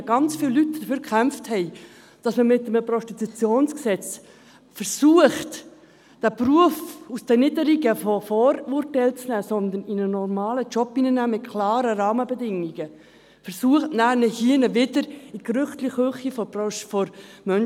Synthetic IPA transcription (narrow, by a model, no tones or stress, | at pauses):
ɡ̥ɑnt͡sfiːlːytːd̥əfyːɾkʰχæmfthɛɪ | d̥ɑsməmɪtːəməprɔstit̪ut͡sjoːnsksɛt͡s | fəɾsuəχt | d̥æpruəfusd̥ɛnɪdəɾiɡəfɔfoːɾurtɛɪlt͡snæːsɔnd̪əninənɔrmɑːlət͡ʃɔpːinənæːmɪt̚kʰlɑːɾəɾɑːməbɛdɪŋiɡ̥ə | fəɾsuəχtnæːɾnəhiənəʋɪdəɾikrʏχtliχhøχifɔfɔɾmœn